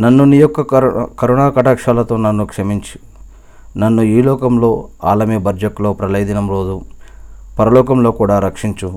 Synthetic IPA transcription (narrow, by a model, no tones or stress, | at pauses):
nɐnːunijɔkːɐkɐɾunaːkɐʈaːkʂaːlɐt̪o̞ːnɐnːukʂɐmiɲt͡ʃi̥ | nɐnːuiːlɔːkɐmlo̞ːaːlɐmibɐɾd͡ʒɐklo̞ːpɾɐlɐjd̪inɐmɾoːd̪u | pɐɾɐlɔːkɐmlo̞ːkuːɽaːɾɐkʂiɲt͡ʃu